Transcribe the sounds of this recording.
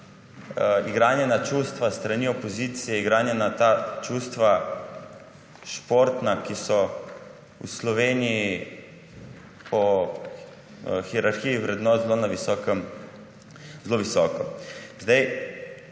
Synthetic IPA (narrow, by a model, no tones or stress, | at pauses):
iɡɾaːnjɛnat͡ʃuːst̪ʋast̪ɾaniɔpɔziːt̪sijɛiɡɾaːnjɛnat̪at͡ʃuːst̪ʋa | ʃpoːɾt̪nakisɔ | ṵslɔʋeːniji | pɔ | xiɛɾaɾxijiʋɾɛd̪nɔːt̪zlonaʋisɔːkɛm | zloʋisɔːkɔzd̪aj